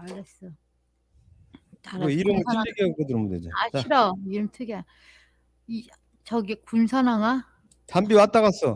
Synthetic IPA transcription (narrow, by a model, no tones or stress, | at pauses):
aɭːas͈ʌ | t͡ɕaɾoiɾɯmaɯɡekɯdɯɾomuded͡ʑoaɕiɾʌiɾɯmtʰɯɡea | i | t͡ɕʌɡikunsʰanaŋa | tambiwat͈aɣas͈ʌ